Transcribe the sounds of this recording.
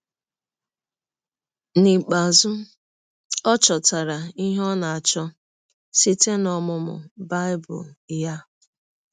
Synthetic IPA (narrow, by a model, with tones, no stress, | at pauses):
ni˨k͡pa˨zʊ˦ | ɔ˦t͡ʃɔ˨ta˨ɾa˨i˦ɦɔ˦na˨a˨t͡ʃɔ˦ | si˦te˦nɔ˨mʊ˦mʊ̰˨ba˦ɪ˦bʊ̰˨lja˦